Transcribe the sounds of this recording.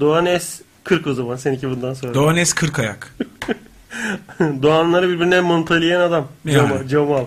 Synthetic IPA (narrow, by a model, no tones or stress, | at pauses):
d̪oanɛs | kʰɯɾkozamansenicʲʰibund̪anso̞nɾd̪oanɛskʰɯɾkaja̰k | d̪oanlˠaɾɯbiɾbiɾinɛmont̪ʰalʲijænad̪amamad͡ʒamalˠ